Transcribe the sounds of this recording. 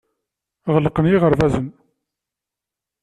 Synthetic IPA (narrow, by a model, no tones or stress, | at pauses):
ʁəlqənjiʁəɾvæzən